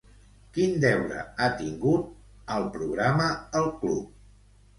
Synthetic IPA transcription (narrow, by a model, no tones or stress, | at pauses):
kind̪ɛwɾə̰at̪iŋɡut̪̚ | əlˠpɾuɣ̞ɾaməːlˠklup̚